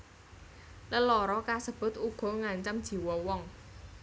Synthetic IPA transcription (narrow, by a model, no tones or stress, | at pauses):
ləlɔɾɔkasəb̥ʊ̤t̪̚uɡ̥ɔ̤ŋaɲt͡ʃamd̥ʒ̥i̤wɔwɔŋ